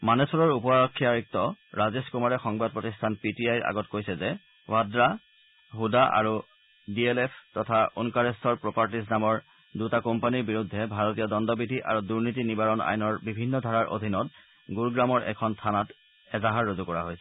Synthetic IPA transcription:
manesɔɹɔɹupɔaɹɔkʰːiaɹik̚tɔɹazeskumaɹɛxɔŋbad̚pɹotistʰanpitiajɹʔa̰ɡɔtkojsɛzɛ | wadɹa | ɦudaʔa̰ɹu | dielepʰtɔtʰaunkaɹestɔɹpɹopaɹtis̬namɔɹ | dutakɔmpaniɹbiɹudʱːɛbʱaɹotijɔdɔndɔbidʱiʔa̰ɹuduɹnitinibaɹɔna̰jnɔɹbibʱinːɔdʱaɹaɹʔo̰dʱinɔt̚ | ɡuɹɡɹamɔɹʔɛ̰kʰɔntʰanat | ɛzaɦaɹːozukɔɹa̰ɦojsɛ

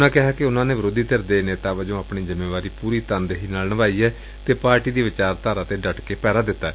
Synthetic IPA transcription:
nãːkɪɦaːkɪʊnãːnẽːʋəɾoːd̪iːt̪eɾd̪eːneːt̪aːʋəd͡ʒõːaːpɳiːzəmeːʋaːɾiːpuːɾiːt̪ə̃nd̪ɦiːnaːlnəʋaːiːɛː | t̪eːpaːɾʈiːd̪iːʋɪt͡ʃaːɾt̪aːɾaːt̪eːɖəʈkeːpɛːɾaːd̪ɪt̪ːaːɛː

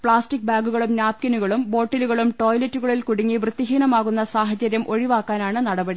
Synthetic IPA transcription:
pɭaːsʈik̚baːɡuɣɐɭumnaːp̚kɐnuɣɐɭumbo̞ːʈːɐluɣɐɭumʈo̞ːjlɐtːuɣɐɭilkuɽiŋːiʋrɨt̪ːiɦiːnɐmaːɣun̪ːɐsaːɦɐt͡ɕɐɾjɐmʔo̞ɻiʋaːkːaːnaːɳɨnɐɽɐbɐɽi

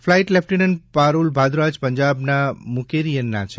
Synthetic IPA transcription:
fʰlajʈlɛp̚ʰʈinənpaɾulbʱad̪ɾad͡ʒpəɲd͡ʒabnamukeɾijənːa̰t͡ʃʰe

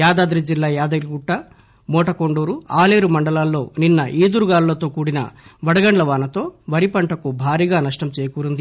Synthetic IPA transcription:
jaːd̪aːd̪ɾid͡ʒilːaːjaːd̪ɐɾiɡuʈːɐ | mɔːʈɐkoɳɖoːɾuaːleːɾumɐɳɖɐlaːlːo̞ːninːɐʔiːd̪uɾuɡaːllɐt̪o̞ːkuːɽinɐ̰ʋɐɽɐɡɐɳɖlɐʋaːnɐt̪o̞ːʋɐɾipɐɳʈɐkubʱaːɾiːɡaːnɐʂʈɐmt͡ʃeːjɐkuːɾund̪i

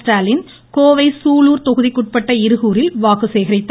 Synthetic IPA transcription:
ʈaːlɪn | koːʋɐɪsuːluːɾt̪ɔɣɯðikːʊʈ̚pɐʈːɐɪɾɯɣuːɾɪlʋaːkɯsɛjɣɐɾɐɪt̪ː

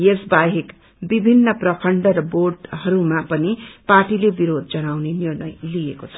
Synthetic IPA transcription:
jesbaɦek | bibʱinːʌprʌkʰʌɳɖʌrʌborʈɦʌɾumapʌniparʈilebiɾod̪̚d͡zʌnawnenirnʌjlijekot͡sʰʌ̥

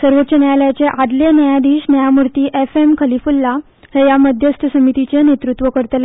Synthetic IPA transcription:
səɾʋot̪ːt͡ɕənajaləjat͡seʔad̪lenəjad̪iːɕnəjamuɾt̪iːʔefemkʰəlifulːa | hejaməd̪ʱjəst̪ʰəsəmit̪it͡ɕenet̪ɾut̪ʋəkəɾt̪əl

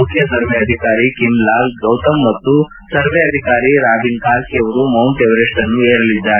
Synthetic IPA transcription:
ukʰjɐsɐɾʋeɐd̪ʱikaːɾikimlaːlɡɐwt̪ɐmːɐt̪ːu | sɐɾʋɛɐd̪ʱikaːɾiɾaːbinkaːlsiɐʋɐɾumɐwɳʈeʋɾeːʂʈɐnːueːɾɐlid̪ːaː

